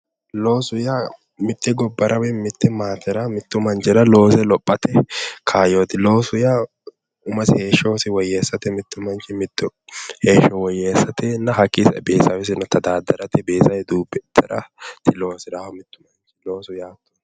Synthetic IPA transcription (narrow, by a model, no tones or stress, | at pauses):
loːsʊja | mɪt̪ːɛɡɔbːɐɾʔɐwɛmɪt̪ːɛmaːt̪ːɛɾɐmɪt̪ːʊmɐnt͡ʃɪɾɐlo̞ːsɛlɔpʼːɐt̪ɛkʰaːjoːt̪ɪlo̞ːsʊja | ʊmɐsɪhe̞ːʃːoːsɪwɔjːeːsːɐt̪ɛmɪt̪ːʊmɐnt͡ʃɛmɪt̪ːʊheːʃːɔwɔjːesːɐt̪ɛnɐɦɐkʼːisɛbeːsɐwɛs̬ɪnɔt̪ɐd̪aːd̪ɐɾɐt̪ɛbeːsɐjɛd̪uːbːɛd̪ɐɾɐ̰t̪ʰɪlo̞ːsɪɾaːhɐmɪt̪ːʊmɐnt͡ʃɛ̥lo̞ːsʊjaːt̪ːʊ̥